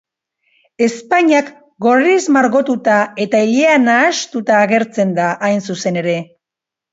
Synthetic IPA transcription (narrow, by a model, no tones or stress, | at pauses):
e̞spaɲak | ɡo̞ɾizmaɾɣo̞t̪ut̪ae̞t̪aiʎeanaːst̪ut̪aːɣe̞ɾt͡se̞nd̪aʔːjnsuse̞ne̞ɾe̞